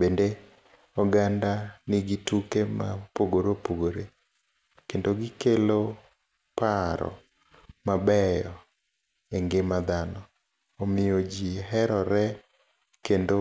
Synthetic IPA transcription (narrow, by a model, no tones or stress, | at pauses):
bende | ɔɡandanɪɡitukema̰poɡoɾopoɡoɾe | kendoɡɪkelo | paɾɔ̰ | mabɛjɔ | eŋɡemad̪anɔː | mɪod͡ʒiɦɛɾɔɾɛ | kendo